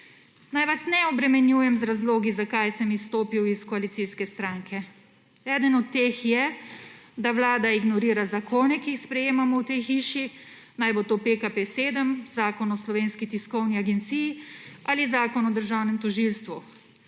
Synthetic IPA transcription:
najʋasnɛɔbɾɛmɛnjuːjɛmzɾazloːɡizakajsəmist̪oːpiwiskɔalit̪siskɛst̪ɾaːŋkʰɛ | ɛːd̪ənɔt̪ːexjɛ | d̪aʋlaːd̪aiɡnɔɾiːɾazakʰoːnɛkiːxspɾɛjeːmamɔwt̪ejxiːʃi | najbot̪opekapeseːd̪əmzaːkɔnɔslɔʋeːnskit̪iskɔwniaɡɛnt̪sijializaːkɔnɔd̪əɾʒawnɛmt̪ɔʒilst̪ʋu

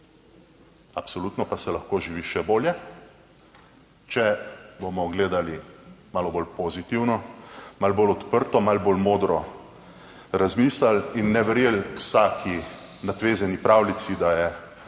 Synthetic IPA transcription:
apsɔluːt̪nɔpasɛlaxkoːʒiʋiʃɛboːljɛ | t͡ʃɛbomɔɡleːd̪alimaːlɔboːlpozit̪iwnɔmalboːlɔt̪pəɾt̪ɔmalboːlmoːd̪ɾɔ | ɾazmiːslalinːɛʋɛɾjeːlwsaːkʰi | nat̪ʋeːzɛnipɾawlit̪sid̪ajɛ

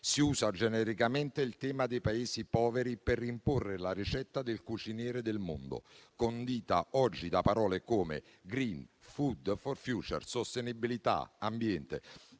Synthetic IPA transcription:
siuːzad͡ʒɛnɛɾikamɛnt̪eilt̪ɛːmad̪ejpaeːsipɔːvɛɾiperːimporːelaɾit͡ʃɛt̪ːad̪elkut͡ʃinjɛːɾed̪elmo̰nd̪ʊ̰kond̪iːt̪aʔɔd͡ʒːid̪apaɾɔːlekoːmḛ | ɡɾinfud̪fɔrfjuːt͡ʃɛ̰rsost̪enibilit̪a̰ambjɛnt̪ḛ

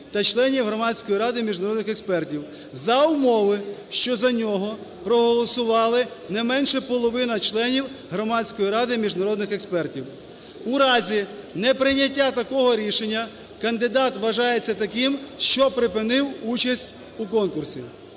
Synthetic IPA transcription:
t̪ɐt͡ʃlˠɛnʲiwɦɾɔmɑsʲkɔjiɾɑd̪ɪmʲiʒnɐɾɔd̪nɪxekspɛrtʲiw | zɐʊmɔʋɪʃt͡ʃɔzɐnʲɔɦɔ | pɾɔɦɔlˠɔsʊʋɑlˠɪ | nɛmɛnʃɛpɔlˠɔʋɪnɐt͡ʃlˠɛnʲiw | ɦɾɔmɑsʲkɔjiɾɑd̪ɪmʲiʒnɐɾɔd̪nɪxekspɛrtʲiw | uɾɑzʲinɛpɾɪnʲɐtʲːat̪ɐkɔɦɔɾʲiʃenʲːɐ | kɐnd̪ɪd̪ɑt̪ʋɐʒɑjet͡sʲːɐt̪ɐkɪmʃt͡ʃɔpɾɪpɪnɪwut͡ʃɐsʲtʲ | ukɔnkʊrsʲḭ

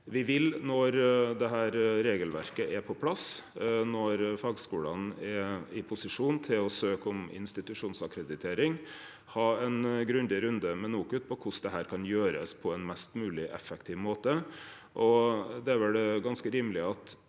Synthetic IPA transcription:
ʋɪʋɪlnɔɾd̪ɛɦæːɾɾeːɡəlʋæ̰ɾkəʔɛpʰɔpʰlɑsnɔɾfɑːɡskuːlɑnɛɪpʰʊsɪʂuːnt̪ʰɪlɔsøːkɔmɪ̰nst̪ɪt̪ʉʂuːnsɑkɾɛd̪ɪt̪ʰeːɾɪŋ | hɑːɛnɡɾʉnd̪ɪɾʉnd̪əmɛnuːkʉːt̪̚pʰɔkʰʊsd̪ɛɦæːɾkʰɑnjøːɾə̰spʰɔɛnmɛst̪mʉːlɪʔɛ̰fːɛkt̪ʰɪːʋmoːt̪ə | ʔɔd̪ɛʋɛld̪ɛɡɑnskəɾiːmlɪɑt̪

